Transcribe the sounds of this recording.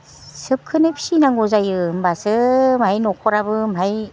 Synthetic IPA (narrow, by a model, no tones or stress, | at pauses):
sɯp̚kʰɯnepʰsinaŋɡozajɯmbasɯmajnɔkʰɔɾabɯmaj